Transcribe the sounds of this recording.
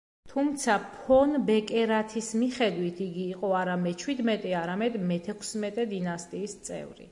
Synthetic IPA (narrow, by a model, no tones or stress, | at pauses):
t̪ʰumt̪sʰapʰɔnbɛkʼɛɾat̪ʰismiχɛd̪wit̪ʰiɡiːqʼɔaɾamɛt͡ʃʰwid̪mɛt̪ʼɛaɾamɛd̪mɛt̪ʰɛkʰsmɛt̪ʼɛd̪inast̪ʼiːst̪sʼɛ̰vɾḭ